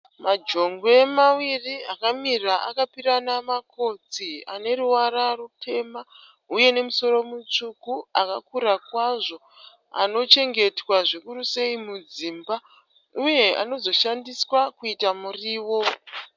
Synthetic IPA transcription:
mad͡ʒo̞ŋɡwemawiriakamiraʔa̰kapiɾanamakʰo̞t͡sia̰ne̞ruwaɾarutʰe̞ma | uje̞ne̞muso̞ɾo̞mut͡ʂukuaka̰kuɾakwaʐo̞ | a̰no̞t͡ʃe̞ŋɡe̞twaʐekuɾuse̞imud͡ziːmba | uje̞a̰no̞zo̞ʃandiswakuitamuriːwo̞

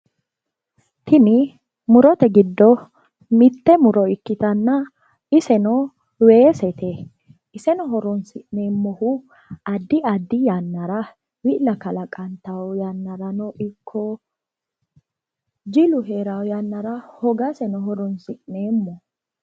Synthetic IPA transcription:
t̪ʰɪnɪ | mʊɾɔt̪ɛɡɪd̪ːɔ | mɪt̪ːɛmʊɾɔɪkːɪt̪ɐnːɐ | ɪsɛnɔ | we̞ːsɛt̪ɛ | ɪsɛnɔɦɔɾɔnsɪʔneːmːɔhʊ | ɐd̪ːɪɐd̪ːɪjanːɐɾɐ | wɪʔlɐkɐlɐkʼɐnt̪ɐwjanːɐɾɐnɔʔɪkʰːɔ | d͡ʒɪlʊɦe̞ːɾawjanːɐɾɐhɔɡɐsɛnɔɦɔɾɔnsɪʔneːmːɔ

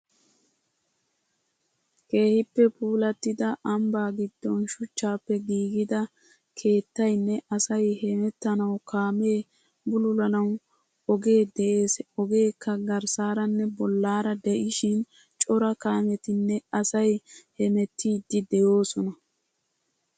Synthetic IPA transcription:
ke̞ːhɪpːɛpuːlɐt̪ːɪd̪ɐʔɐmbaːɡɪd̪̥ːɔnʃʊt͡ʃːaːpːɛɡiːɡɪd̪ɐ | kʰe̞ːt̪ːɐjnːɛʔɐsɐjhɛmɛt̪ːɐnɐwkaːme̞ː | bʊlʊlɐnɐw | ɔɡe̞ːd̪ɛʔe̞ːsɔɡe̞ːkːɐɡɐɾsaːɾɐnːɛbɔlːaːɾɐd̪ɛʔɪʃɪn | t͡ʃʼɔɾɐkaːmɛt̪ɪnːɛɐsɐjhɛmɛt̪ːiːd̪ːɪd̪ɛjo̞ːsɔnɐ

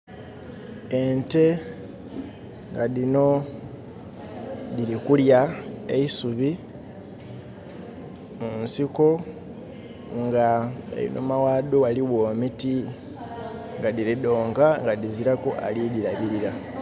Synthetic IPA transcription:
e̞nte̞ | ŋɡadino̞ | dilikuljaeisuβi | munsiko̞ | ŋɡaḛḭnʔomawaːdowaliwoːmiti | ŋɡadilido̞ːŋkaŋɡadiziɾakuʔa̰lidiɾaβiɾiɾa

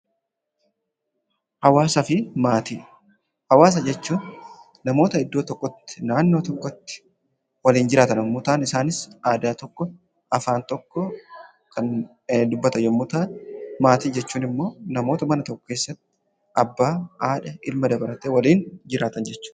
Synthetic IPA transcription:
hɐwaːsɐfɪmaːt̪iː | hɐwaːs̬ɐd͡ʒɛt͡ʃːuːnː | ɐmo̞ːt̪ɐɪd̪ːo̞ːt̪ɔkːɔt̪ːɪ̥naːnːo̞ːt̪ɔkːɔt̪ːɪ̥ | wɐliːnd͡ʒɪɾaːt̪ɐnɔmmːʊt̪aːnɪsaːnɪsaːd̪aːt̪ɔkːɔ | ɐfaːnt̪ɔkːɔ | kʰɐn | d̪ʊbːɐt̪ɐjɔmːʊt̪aːnmaːt̪iːd͡ʒɛt͡ʃːuːnɪmːo̞ːnɐmo̞ːt̪ɐmɐnɐt̪ɔkːɔ̥keːsːɐt̪ːɪ | ɐbːaːaːᶑɐʔɪlmɐd̪ɐbɐɾɐt̪eːwɐliːnd͡ʒɪɾaːt̪ɐnd͡ʒɛt͡ʃːʊ̥ː

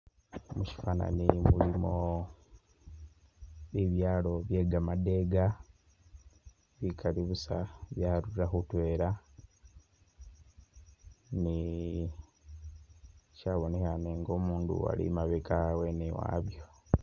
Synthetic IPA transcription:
muci̥fana̰nimumlimo | βiβjaːlo̞βje̞ːɡamade̞ɡa | βikʰaliβusaβjaːɾuɾaxutwe̞ːɾa | ni | caːβo̞ne̞haneŋɡo̞ːmuːndṵa̰lḭmaβekaweniwa̰ːβjo

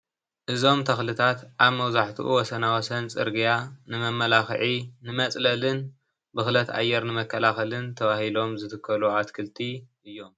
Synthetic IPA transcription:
ʔɨzo̞mt̪ʰɐxlɨt̪ʰat̪ʔaβmɐwzaħt̪ʰuʔuwɔsɐnawɔsɐnt͡sʼɨ̰ɾɡijanɨmɐmːɐlaxʕinɨmɐt͡sʼlɐlɨn | bɨxlɐt̪a̰jːɛɾnɨmɐkʰːɐlaxɐlɨnt̪ʰɐβahilo̞mzɨt̪ʰɨkʰːɐluʕat̪kʰɨlt̪ʰiʔɨjːo̞m

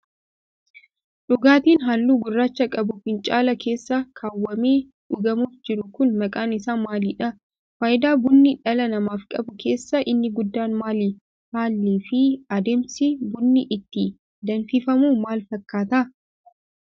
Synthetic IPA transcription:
ᶑʊɡaːt̪iːnɦaːlːuːɡʊrːaːt͡ʃːɐkʼɐbʊfɪnt͡ʃʼaːlɐkʰe̞ːsːɐkʰaːwːɐmeː | ᶑʊɡɐmuːfd͡ʒɪɾʊkʊnmɐkʼaːnɪsaːnmaːliːᶑɐ | faːjɪd̪aːbʊnːɪᶑɐlɐnɐmaːfkʼɐbʊkʰe̞ːsːɐʔɪnːɪɡʊd̪ːaːnmaːliː | haːlːiːfɪɐd̪eːmsɪbʊnːɪʔɪt̪ːɪ | d̪ɐnfɪfɐmuːmaːlfɐkːaːt̪ɐ

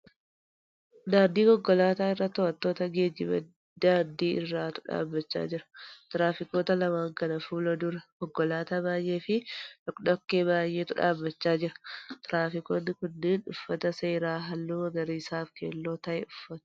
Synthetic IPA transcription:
d̪aːɾd̪iːɡɔɡːɔlaːt̪aːɪrːɐt̪ːɔʔɐt̪ːo̞ːt̪ɐɡe̞ːd͡ʒɪ̰mɐ̰ | d̪aːɾd̪iːʔɪrːaːt̪ʊ̥ᶑa̰ːbːɐt͡ʃːa̰ːd͡ʒɪɾɐ̥t̪ɪɾaːfɪko̞ːt̪ɐlɐmaːŋkɐnɐfuːlɐd̪ʊɾɐɡ̥ɔɡːɔlaːt̪ɐbaːje̞ːfɪᶑɔkɗɔkːeːbaːjːeːt̪ʊᶑa̰ːbːɐt͡ʃːaːd͡ʒɪɾɐ̥t̪ɪɾaːfɪkoːnːɪkʊnːɪnᶑʊfːɐt̪ɐse̞ːɾaːɦɐlːuːɐɡɐɾiːsaːfkḛːlːo̞ːt̪ɐʔɛʊfːɐt̪ʊ̥

